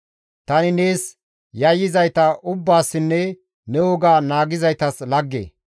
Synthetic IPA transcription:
t̪ɐnɪne̞ːs | jɐjːɪzɐjt̪ɐʔʊbːaːsːɪnːɛ | nɛwɔɡaːnaːɡɪzɐjt̪ɐslɐɡːḛː

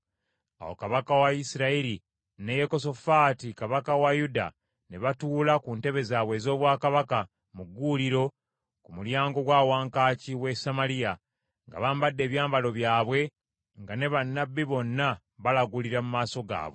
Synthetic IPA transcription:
a̰wo̞̰kaβakawaisiɾaiɾi | ne̞jeko̞so̞fatikaβakawajuda̰ | ne̞βatuːlakuːnte̞βe̞zaːβwe̞ːzo̞ːβwaːkaβaka | muɡːuːliɾo̞ | kumuljaːŋɡo̞ɡwaːwaːŋkaːciwe̞samalija | ŋɡa̰βaːmbadːe̞ːβjaːmbalo̞βjaːβwe̞ | ŋɡane̞βanːabːiβo̞nːa | βalaɡuliɾamumaːso̞ɡa̰ːβwo̰

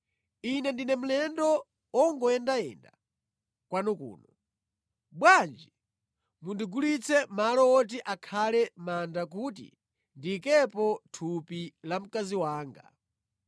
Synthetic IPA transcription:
inɛndinɛm̩lɛndɔ | ɔŋɡɔɛndaɛ̰nda̰ | kwanɔkṵːnɔ | bwand͡ʒi | mundiɡulit͡sʰɛmalɔɔt̬iʔakʰalɛmandak̬utḭ | ndikɛpɔtʰupilam̩kaziwaːŋɡa̰

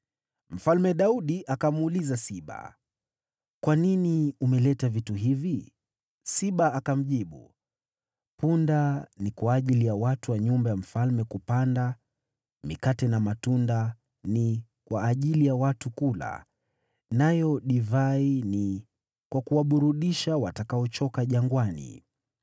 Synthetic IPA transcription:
m̩falmɛɗauɗiʔakam̩ulizasiɓa̰ | kwaniniumɛlɛtavituɦivi | siɓaakam̩ʄiɓṵ | pundanikwaːʄilijawatuwaɲumbajam̩falmɛkupanda | mikatɛnamatunda | ni | kwaːʄilijawatukula̰ | najɔɗivaini | kwakuwaɓuɾuɗiʃawatakaɔt͡ʃɔkaʄaŋɡwanḭ

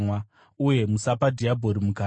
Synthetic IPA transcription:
wa | uje̞musapadʱiabʱo̞ɾimuka

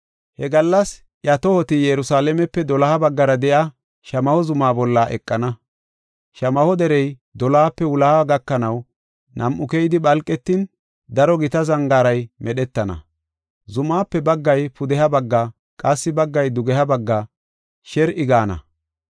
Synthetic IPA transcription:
hɛɡɐlːɐs | jɐt̪ɔhɔt̪ɪjɛɾʊsaːlɛmɛpːɛd̪ɔlɐhɐbɐɡːɐɾɐd̪ɛʔa | ʃɐmɐhɔzʊmaːbɔlːaʔɛkʼːɐnɐ | ʃɐmɐhɔd̪ɛɾɛj | d̪ɔlaːpːɛwʊlaaɡɐkːɐnɐw | nʔɐmʔʊkɛjɪd̪ɪɓɐlkʼːɛt̪ːin | d̪ɐɾɔɡɪt̪ɐzɐŋɡaːɾɐjmɛɗɛt̪ːɐnɐ̰ | zʊmaːpːɛbɐɡːɐjpʊd̪ɛhɐbɐɡːɐ | kʼɐsːɪbɐɡːɐjd̪ʊɡɛhɐbɐɡːa | ʃɛɾʔɪɡaːnɐ̰

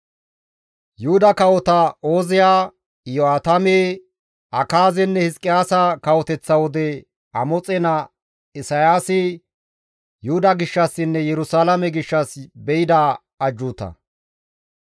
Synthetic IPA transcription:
jʊhʊd̪ɐkɐwɔt̪ɐo̞ːzɪjaː | jɔaːt̪ɐmeː | ʔɐkaːzɛnːɛhɪskʼːɪjaːsɐkɐwɔt̪ɛt͡sːɐwɔd̪ɛ | ɐmɔt͡sʼɛnɐ | ɪsɐjaːsɪ | jʊhʊd̪ɐɡɪʃːɐsːɪnːɛjɛɾʊsaːlɐmɛɡɪʃːɐsbɛɪd̪aː | ɐd͡ʒːut̪ɐ̰

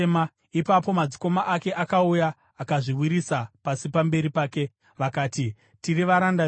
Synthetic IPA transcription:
ma | ipapo̞mad͡ziko̞maʔake̞ʔakaujaː | kaʐiwiɾisapasipambe̞ɾipaːke̞ | ʋakaːti | tiriʋaɾanda

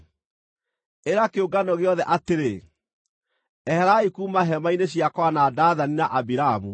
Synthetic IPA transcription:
eɾakeoɡanɔɣeɔðɛʔateɾe | ɛhɛɾaikuːmaɦɛmaineɕjakwanadaːðaninaʔabiɾaamu

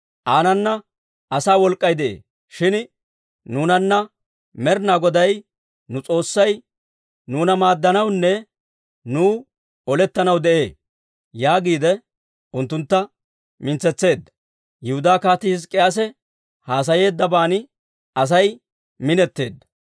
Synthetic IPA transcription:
ʔaːnɐnːɐ | ɐsaːwɔlkʼːɐjd̪ɛʔḛː | ʃɪn | nuːnɐnːɐ | mɛɾnaːɡɔd̪ɐj | nʊt͡sʼo̞ːsːɐj | nuːnɐmaːd̪ːɐnɐwnːɛ | nuː | ɔlɛt̪ːɐnɐwd̪ɛʔe̞ː | jaːɡiːd̪ɛ | ʊnt̪ːʊnt̪ːɐ | mɪnt͡sɛt͡sːe̞ːd̪ːɐ | jɪhʊd̪aːkaːt̪ɪs̬kʼɛʔɐs̬ɛ | haːs̬ɐje̞ːd̪ːɐbaːnɪ | ɐs̬ɐj | mɪnɛt̪ːe̞ːd̪ːɐ̥

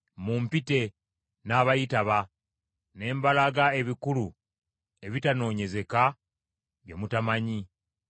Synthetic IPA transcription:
mumpite̞ | naːβajitaβa | ne̞ːmbalaɡae̞βikulu | e̞βitano̞ːɲe̞ze̞ka | βjo̞mutamaɲi

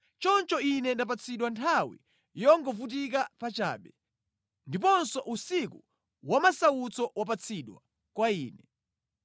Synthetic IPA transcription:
t͡ʃɔnt͡ʃɔinɛndap̬at͡sʰiɗwantʰawḭ | jɔŋɡɔfut̬ik̬apat͡ʃa̰ːɓɛ | ndip̬ɔnsɔʔusiku | wamasawut͡sɔʔwap̬at͡sʰiɗwa | kwaiːnɛ

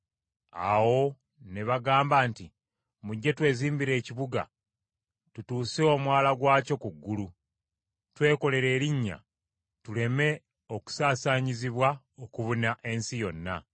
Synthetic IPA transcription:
a̰wo̞ | ne̞βaɡaːmbaːnti | muɟːe̞twe̞ːziːmbiɾe̞ːciβuɡa̰ | tutuːseo̞mwaːlaɡwaːco̞kuɡːulu | twe̞ːko̞le̞ɾe̞ːɾiɲːa̰ | tule̞me̞ | o̞ku̥saːsaːɲiziβwa | okuβunaʔe̞nsijo̞nːa̰

